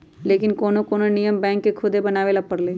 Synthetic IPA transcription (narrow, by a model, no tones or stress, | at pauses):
leːkɪnkoːnõːkoːnõnijəmbɛ̃ːŋkːekʰʊd̪ebənaːʋeːlapəɾlẽː